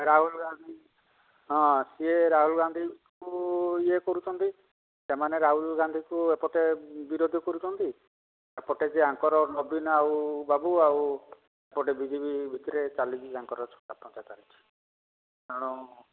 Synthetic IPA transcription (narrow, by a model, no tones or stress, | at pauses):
ɾaɦulɡand̪ʱi | ɦɔ̃sieɾaɦulɡand̪ʱikuiekɔɾut͡ʃʰɔnt̪i | semaneɾaɦulɡand̪ʱikuepɔʈebiɾod̪ʱɔkɔɾut͡ʃʰɔnt̪i | epɔʈed͡ʒeãŋkɔɾɔnɔbinaubabuawu | epɔʈebid͡ʒibibʱit̪ɔɾet͡ʃalibiaŋkɔɾɔt͡ʃʰɔ̥ʈapɔnt͡ʃat̪aɾit͡ʃʰi̥ | aɽ̃ɔ